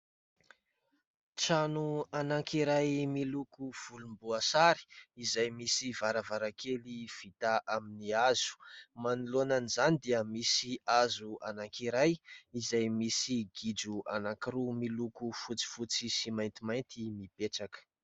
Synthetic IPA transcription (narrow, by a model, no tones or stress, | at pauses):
t͡sanuanaŋkiɾajmilukuv̥ulumbuasaɾi̥izajmisivaɾavaɾakʰeliv̥it̪aʔaminiaz̥u̥manulonanizanid̪eəmisiazuanaŋkiɾajizajmisiɡid͡ʒuʔanakiɾumilukufut͡si̥fut͡sisimajnt̪imajnt̪imipeʈ͡ʂakə̥